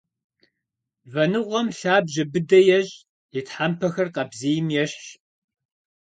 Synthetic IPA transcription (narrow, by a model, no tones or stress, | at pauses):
vɐnɨʁʷɔmɬaːbʑɪbɨdɐjɛʑʼ | jɪtħampʰɐxɐrqɐbzijɪmjɛɕɕ